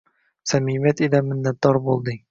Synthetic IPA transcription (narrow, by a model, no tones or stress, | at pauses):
sæmimæt̪ilæmɘ̆nd̪æt̪ːɒɾbulˠd̪ɤ